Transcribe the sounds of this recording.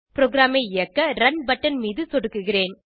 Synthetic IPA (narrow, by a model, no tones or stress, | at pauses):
pɪɾoːɡɪɾaːmeɪɪɐkːɐɾɐnbɐʈːɐnmiːðɯsɔɽɯkːɯɣɪreːn